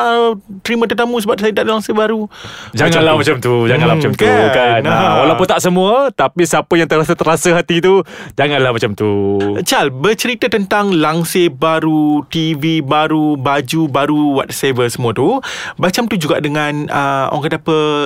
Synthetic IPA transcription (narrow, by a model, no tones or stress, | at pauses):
ət̪əɾimə̃t̪ərt̪amũs̬əbap̚sajəd̪aʔlaŋsebaɾud͡ʒaŋanlamat͡ʃamt̪ud͡ʒaŋanlahmat͡ʃamt̪ukanolapunt̪aʔsəmũat̪apisapəjaŋt̪əɾasat̪əɾasəɦat̪it̪ud͡ʒaŋanlahmat͡ʃamt̪ut͡ʃalbərt͡ʃəɾit̪at̪ənt̪aŋlaŋsebaɾut̪ivibaɾubad͡ʒubaɾuwa̰t̪̚sevəsəmũat̪ubat͡ʃamt̪ud͡ʒuɡaʔdəŋãnəʔɔ̰ŋkat̪apə